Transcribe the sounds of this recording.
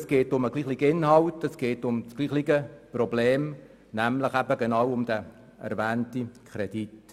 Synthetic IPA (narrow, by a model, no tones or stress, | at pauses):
sɡ̥eːtʊməɡliːχliɡ̥ɪnhɑwtɛsɡ̥eːtʊmsɡ̥liːχliɡəprɔbleːm | næmləχæbəɡenɑwʊmd̥̪æ | ɛ̰ɾvæːntikʰχɾɛd̥it